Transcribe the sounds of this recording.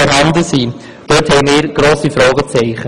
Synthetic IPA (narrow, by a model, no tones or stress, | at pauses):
ɔɾhɑnd̪əsiː | d̥øːthɛɪmɪːɾɡ̥ɾoːsifɾɔːɡət͡sɛɪχə